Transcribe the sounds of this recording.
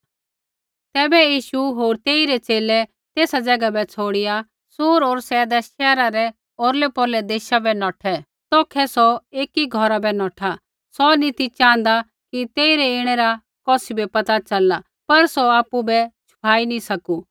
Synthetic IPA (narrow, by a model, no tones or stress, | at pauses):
t̪ɛːbɛjiːʃuɦoːɾt̪eːiɾɛt͡ʃeːlɛ | t̪eːsad͡zɐɡabɛt͡sʰoːɽɪja | suːɾoːɾsɛːd̪aʃɛːɾaɾɛ | oːɾlɛpɔːlɛd̪eːʃabɛnɔːʈʰɛ | t̪oːkʰɛsɔeːkiɡʱɔɾabɛnɔːʈʰa | sɔnit̪it͡ʃãːə̃nd̪a | kit̪eːiɾɛɪɽ̃ɛɾa | kɔːsibɛpɐt̪at͡ʃɐla | pɐɾsɔaːpubɛt͡ʃʰʊ̥pʰaːinĩsɐku